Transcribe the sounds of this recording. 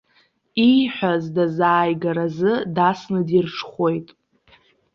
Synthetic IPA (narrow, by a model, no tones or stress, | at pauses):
ijħʷᶣazdazaːjɡaɾazɨdasnɨdirʂʰχʷo̞jtʼ